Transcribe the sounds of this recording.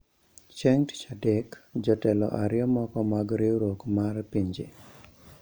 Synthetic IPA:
t͡ʃɛŋtt͡ʃadɛkd͡ʒɔtɛlɔ̰ʔaɾjɔmɔkɔmaɡɾiɾokmarpiɲd͡ʒḛ

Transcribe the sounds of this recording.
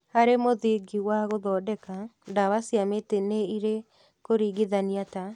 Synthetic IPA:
haɾemoðiɡiwaɣoðɔːdɛkandaβasiameteneiɾe | koɾiːɡiðaniata

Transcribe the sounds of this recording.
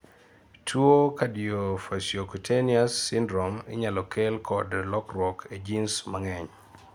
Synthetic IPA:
tʰwokadiofasjokutʰeniasːindɾɔmɪ̰ɲalɔkelkʰɔdlɔkɾwɔkʰed͡ʒinsmaŋɛɲ

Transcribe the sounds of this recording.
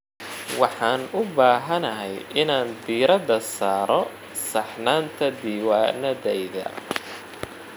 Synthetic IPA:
wɑħɑːnʊbaːɦɐnɐɦɛjʔɪnaːnbiːɾɐðɐsaːɾɔ | sɑħnaːnt̪ʰɐd̪iːwaːnɐðɛjðɐ̰

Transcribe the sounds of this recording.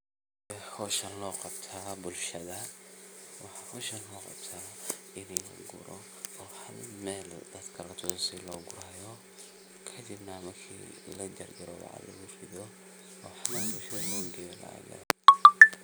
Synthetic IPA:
dɛħɔːʃɐnlɔːqɑbt̪ʰaːbʊlʃɐðɐ | wɑħɑhɔʃɐnlɔːqɑ̰b̥t̪ʰaːɪnɛnʊ̰ɡʊ̰ɾɔ̰ | ɔːħɐlmɛːld̪ɐd̪kʰɐɾɐt̪ʰʊɔsɪlɔːɡʊɾɐjɔ | kʰɐd̪ɪbnɐmɐrkʰḭːlɐd̪ɐrd͡ʒɐɾɔwɑ̰ʕɑ̰lɐ̰ɡʊrɪðɔ | ɔːħɐlmɛlbʊlʃɐðɐlɔːɡɛla̰ːlɛ̰

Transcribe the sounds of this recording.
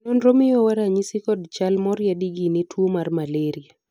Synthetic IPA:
nɔnɾomɪjɔwaɾaɲisikɔdt͡ʃalmɔɾjadiɡinetʰwomarmaleɾia

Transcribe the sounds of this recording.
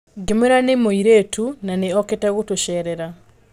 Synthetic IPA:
ɡemeɾanemoiɾetʰunaneɔketɛɣotoʃɛɾɛɾa

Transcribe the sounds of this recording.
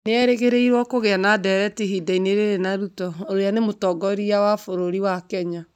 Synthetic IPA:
neɛɾeɣeɾeiɾwɔkoɣeanadɛɾɛtiɦidaineɾeɾenaɾutɔoɾoeanemotɔɡɔɾiawafoɾoɾiwakɛɲa

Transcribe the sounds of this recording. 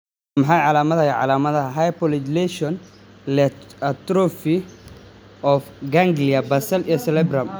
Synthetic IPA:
mɐħɑjʕɑlaːmɐðɐjɛʕɑ̰laːmɐðɐɦajpɔlɪd͡ʒlɛʃɔn | lɛɐt̪ɾɔfi | ɔfɡaŋɡliɐbɐsɐlijɔsɛlɛbɾɐm

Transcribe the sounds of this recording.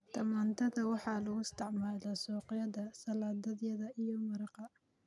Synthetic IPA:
t̪ɐmaːnt̪ʰɐðɐwɑħɑːlɐɣʊɪst̪ʰɪʕmaːlɐsɔːqɪjɐðɐsɐlaːd̪ɐðjɐðɐijɔmɐɾɑqɑ

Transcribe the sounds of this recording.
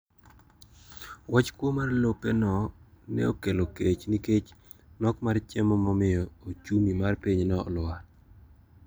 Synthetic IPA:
wat͡ʃkwomarlopɛnɔ | nɛ̰okeloket͡ʃniket͡ʃ | nɔkmart͡ʃemɔmɔmɪɔot͡ʃumimarpiɲnɔ̰ːla

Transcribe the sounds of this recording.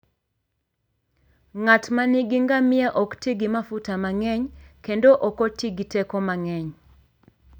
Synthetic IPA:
ŋatmaniɡiŋɡamɪɛʔɔktiɡimafutamaŋɛɲkendoʔɔkotiɡitekomaŋɛɲ

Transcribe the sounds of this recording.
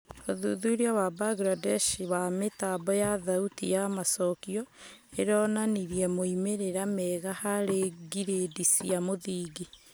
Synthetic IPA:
oðuðuiɾeɔwabaɡɾadɛʃiβametabɔjaðautḭjamasɔkiɔeɾɔnaniɾiɛmoimeɾeɾamɛɣahaɾeɡiɾedisiamoðiːɡi

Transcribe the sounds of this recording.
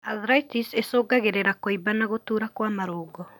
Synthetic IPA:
aðɾaitisesoːɡaɣeɾeɾakoibanaɣotuːɾakwamaɾoːɡɔ

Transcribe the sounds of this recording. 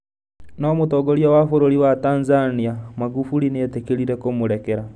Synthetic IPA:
nɔmotɔːɡoɾiawafoɾoɾiwataːnzaniamaɡufuɾineatekeɾiɾekomoɾɛkɛɾa

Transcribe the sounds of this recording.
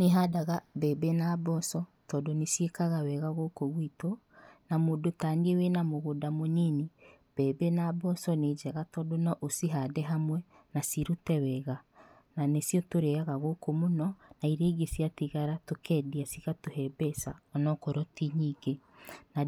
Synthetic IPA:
neɦadaɣabɛːbenabɔsɔtɔdonesjekaɣawɛɣaɣokoɣwito | namoːdotanewenamoɣodamoneni | b̥ɛːbenaːbɔsɔned͡ʒɛɣatɔdonɔʔosiɦadɛɦamwɛ | nasiɾutɛwɛɣa | nanesjɔtoɾɛaɣaɣokomonɔnaiɾeːɡesiatiɣaɾatokɛdiasiɣatoɦɛbɛsaɔnɔkɔɾɔtiɲiɡena

